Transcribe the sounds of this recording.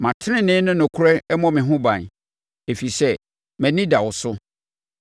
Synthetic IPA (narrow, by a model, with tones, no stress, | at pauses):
mã˨tʰɪ˦nɪ̃˦nɪ̃ː˦nʊ̃˦nʊ̃˨kʰʊ˦ɾɛ˦mɔ̃˨mɪ̃˨ɦʊ̃˦bã̰˨n˨ | e˨fi˨sɛ˦ | mæ̃˨nĩ˦da˨wʊ˨sʊ˦